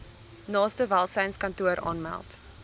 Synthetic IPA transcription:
nɑːstəvælˠsɛjnskɐntuəɾʔɑ̰ːnmæ̰lˠt

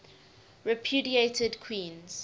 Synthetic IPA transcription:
ɹɛpʰjuːdietʰədkʰw̥ĩːnz̥

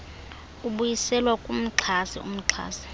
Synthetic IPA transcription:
uɓujisɛlwakʼum̩ǁʰasiṵm̩ǁʰa̰ːsi̥

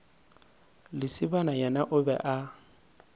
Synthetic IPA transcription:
lɪsɪbanajɛnaʔʊbɛ̰ʔa

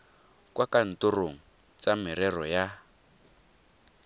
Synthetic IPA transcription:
kwakan̩toroŋ̩ | t͡sam̤iɾɛrɔja

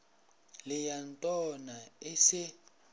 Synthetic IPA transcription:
lɪjantʼɔnaɪsɪ

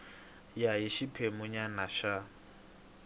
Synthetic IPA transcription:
jajiʃipʰemʊɲanaʃa

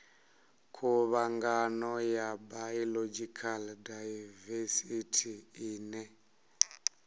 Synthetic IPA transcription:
kʰuβaŋɡanɔjabajɔlɔd͡ʒikʰaldajvɛsitʰiiːnɛ

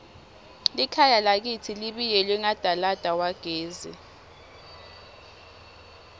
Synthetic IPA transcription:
likʰajalak̬itʰiliɓijɛlwiŋad̥ʱalad̥ʱawaɡ̥ʱeːzḭ

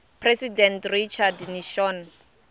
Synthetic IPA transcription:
pʰresidɛntrit͡ʃʰadniʃɔn

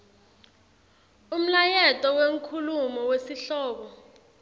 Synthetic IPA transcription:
um̩lajɛtʼɔweŋkʰulumɔwesiɬɔːɓɔ

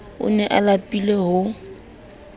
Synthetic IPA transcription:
ʊ̰nɛʔalapʼileɦʊ

